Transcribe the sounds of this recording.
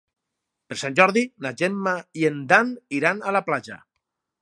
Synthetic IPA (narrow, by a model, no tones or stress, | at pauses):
peɾsanʲʒɔɾðinad͡ʒenmaiend̪aniɾanalaplad͡ʒa̰